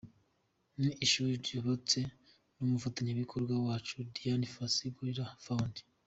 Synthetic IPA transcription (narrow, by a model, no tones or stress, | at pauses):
niʔːʃuːɾiɾjoβot͡se̞ | numufataɲaβikʰoɾɡwawaːt͡ʃudijanifasiɡuiɾafaundi̥